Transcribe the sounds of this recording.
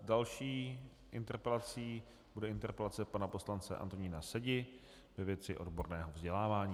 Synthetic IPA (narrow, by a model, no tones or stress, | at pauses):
dalʃiː | ʔɪnt̪ɛɾpɛlat͡siː | budɛʔɪnt̪ɛɾpɛlat͡sɛpanapo̞slant͡sɛ̰ʔa̰nt̪o̞ɲiːnasɛɟɪ | vɛvjɛt͡sɪʔo̞̰dbo̞ɾnɛːɦo̞vzɟɛlaːvaːɲiː